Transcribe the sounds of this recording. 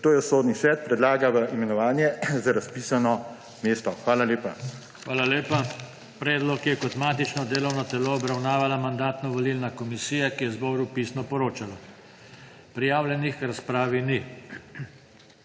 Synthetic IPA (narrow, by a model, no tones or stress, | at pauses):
t̪oːjɛsoːd̪nisʋɛt̪̚pɾɛd̪laːɡaʋəʔimɛnɔʋaːnjɛzaɾaspiːsanɔ | meːst̪ɔxʋaːlaleːpa | xʋaːlaleːpa | pɾɛːd̪lɔkjɛkɔt̪maːt̪it͡ʃnɔd̪eːlɔwnɔt̪ɛloːbɾawnaːʋalamand̪aːt̪nɔʋɔlilnakɔmisiːjakijɛzbɔwɾupiːsnɔpɔɾoːt͡ʃala | pɾijaːwlʲjɛnixɾaspɾaːʋini